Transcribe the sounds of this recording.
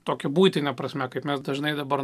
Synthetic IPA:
t̪oːkʲɛbuːjt̪ʲɪnʲɛpɾɐsʲmʲɛkɐɪpmʲɛsd̪ɐʒnɐɪd̪ɐbɐɾ

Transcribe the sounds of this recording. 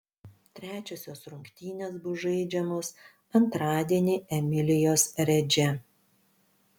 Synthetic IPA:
t̪ʲɾʲæːt͡ʃʲoːsʲoːsɾʊŋʲkʲt̪ʲiːnʲeːsbʊʒɐɪd͡ʒʲɛmoːs | ɐnt̪ɾɑːd̪ʲiɛnʲiːɛmʲɪlʲɪjoːsɾʲɛd͡ʒʲɛ

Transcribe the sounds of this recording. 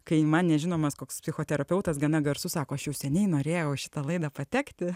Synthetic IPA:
kɐɪmɐnnʲɛʒʲɪnoːmɐskoːkspʲsʲɪxoːt̪ʲɛɾɐpʲɛʊt̪ɐsɡɐnɐɡɐɾsʊsɑːkoːɐʃjɛʊsʲɛnʲɛɪnoːɾʲeːjɛʊʃʲɪ̥t̪ɐlˠɐɪd̪ɐpɐt̪ʲɛːkt̪ʲɪ

